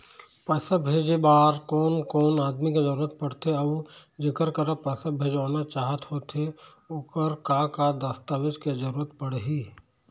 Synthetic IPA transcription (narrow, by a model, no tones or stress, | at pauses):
pəsəbʱeːd͡ʒebaːɾkɔːnkɔːnaːd̪miked͡ʒəɾuːɾət̪̚pɐɽt̪eɐʋd͡ʒɪkəɾkəɾəpɐsəbʱeːd͡ʒaːnat͡ʃaːɦət̪ɦoːt̪e | okəɾkakad̪əst̪aːwɪd͡ʒked͡ʒəɾuːɾət̪̚pəɽɦiː